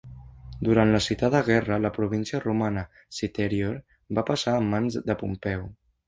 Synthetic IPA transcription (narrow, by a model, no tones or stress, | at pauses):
d̪uɾant̪ləsit̪ad̪əɣ̞ɛrələpɾuβ̞insiərumanə | sit̪eɾioɾ | bapəsaəmːanzd̪əpumpɛw